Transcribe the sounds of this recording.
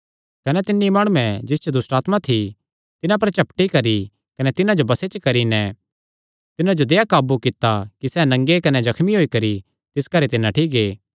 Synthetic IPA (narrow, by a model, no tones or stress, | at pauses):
kɐnɛt̪ɪnːimaːɽ̃uɛ̃d͡ʒɪst͡ʃod̪ʊsʈaːt̪mat̪ʰi | t̪ɪnãp̬ɐɾt͡ʃɐpʈikɐɾi | kɐnɛt̪ɪnãd͡ʒobɐset͡ʃɐkɐɾinɛ | t̪ɪnãd͡ʒod̪eːakaːbukɪt̪ːakisɛːnɐ̃ŋɡekɐnɛd͡ʒɐkʰmiɦoːikɐɾi | t̪ɪskɐɾet̪ɪnːãʈʰiɡeː